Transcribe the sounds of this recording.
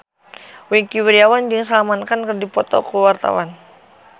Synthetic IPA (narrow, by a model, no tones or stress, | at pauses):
wikiwiɾiawand͡ʒəŋsalamankankərdipɔt̪ɔ̰kuwart̪a̰wan